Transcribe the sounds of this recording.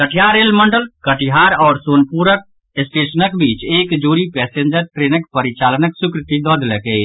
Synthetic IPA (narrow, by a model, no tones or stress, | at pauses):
kəʈʰijaɾelməɳɖəlkəʈiɦaɾɔːɾsonpuɾək̚ | esʈesənəkbiːt͡ʃekd͡ʒoɾipɛseɲd͡ʒəɾʈɾenəkpəɾit͡ʃalənəksukɾɪt̪id̪ɔd̪ləke